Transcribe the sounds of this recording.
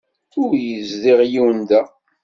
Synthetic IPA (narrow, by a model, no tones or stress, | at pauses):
ʊɾjəzðiʁjiwənd̪æ